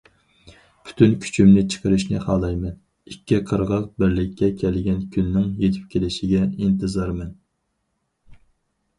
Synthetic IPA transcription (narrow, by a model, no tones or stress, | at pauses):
pʰy̥t̪ʰynkʲʰy̥t͡ʃʰymnɪt͡ʃʰə̥qʰəɾɨʃnɪχɑːlˠɑjmɛn | ikʲʰːiqʰəɾʁɑq̚bɪɾlɪkʲʰːɛkʲʰɛlɡʲɛnkʲʰynːɪŋjet̪ʰɪ̥p̚kʲʰelɪʃɪɡʲɛint̪ʰɨzɑɾmɛn